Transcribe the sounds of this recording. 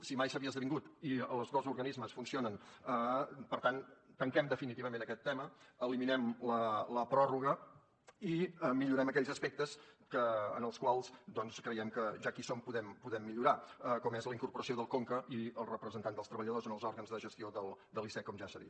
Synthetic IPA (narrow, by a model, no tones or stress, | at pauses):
simajsəβiəzðəβiŋɡut̪iəlˠzðozuɾɣənizməsfunsionənəpəɾt̪ant̪əŋkɛmd̪əfinit̪iβəmẽnəkɛt̪ːɛməəliminɛmlələpɾɔruɣ̞ə | iəmiʎuɾɛməkɛʎzəspɛk̚t̪əskəːnəlˠskwalˠsd̪ɔnskɾəjɛmkəʒakisompuðɛmpuðɛmːiʎuɾaəkɔmezləiŋkuɾpuɾəsioðəlˠkoŋkəʔiəlˠrəpɾəzənt̪and̪əlst̪ɾəβəʎəð̞ozənəlˠzɔɾɣənzðəʒəst̪ioðəlˠd̪əlisɛkɔmʒasəðḭt̪